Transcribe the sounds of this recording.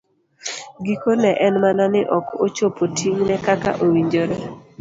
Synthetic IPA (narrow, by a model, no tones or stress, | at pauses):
ɡikonɛʔɛnmananɪʔɔkot͡ʃopotʰiŋnɛkaka̰ʔowiɲd͡ʒoɾɔ